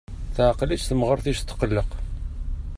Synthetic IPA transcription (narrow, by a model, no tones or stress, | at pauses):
θʕqlit͡ʃθəmʁəɾˤθiʃt̪ːə̥qəlːəq